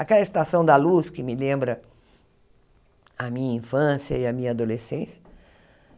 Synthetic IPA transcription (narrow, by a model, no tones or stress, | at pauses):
akɛlɐɪst̪asɐ̃w̃d̪ɐluskɪmɪlẽmbɾɐ | ɐmĩɲɐĩfɐ̃sjɐɪɐmĩɲɐad̪olesẽsjɐ